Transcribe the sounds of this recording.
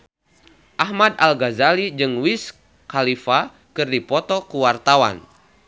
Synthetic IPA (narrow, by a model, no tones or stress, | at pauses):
ʔahmad̪alɡazalid͡ʒɨŋwis | kalifa | kɨrdipɔt̪ɔkuwart̪awa̰n